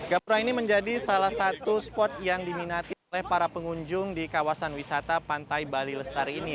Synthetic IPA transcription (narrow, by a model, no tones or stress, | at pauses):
ɡ̥apuɾainiməɲd͡ʒadisalahsat̪uspɔt̪̚jaŋdiminat̪iolɛhpaɾapəŋuɲd͡ʒʊŋdikawasanwisat̪apant̪ajbaliləst̪aɾini